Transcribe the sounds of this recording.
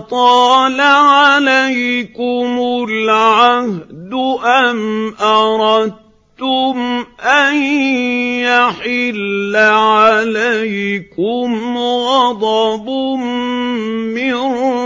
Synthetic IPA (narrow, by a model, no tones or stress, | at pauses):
t̪ˤɑːlaʕalajkʊmʊlʕahd̪ʊʔanʔɑɾˤɑd̪̚ | t̪ʊmʔan | jaħɪlːaʕalajkʊmɣɑd̪ˤɑbʊm | mɪn